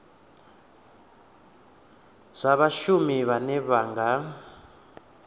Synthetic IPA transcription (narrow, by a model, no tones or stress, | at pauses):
z̥ʷaβaʃumiβanɛβaːŋɡa